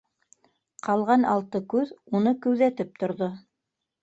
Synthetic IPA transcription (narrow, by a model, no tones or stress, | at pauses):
qʰɑlˠʁɑnɑlˠt̪ɤkʉðunɤkʉ̆wðæt̪ɘp̚t̪ŏɾðo